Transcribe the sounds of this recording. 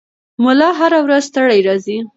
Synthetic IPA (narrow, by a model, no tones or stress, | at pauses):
mʊlɑɦaɾawɾazst̪əɽajɾɑzi